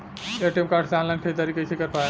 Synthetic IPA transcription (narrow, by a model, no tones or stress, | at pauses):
eʈemkaɾɖsãnlankʰed̪aɾikəsekəɾpa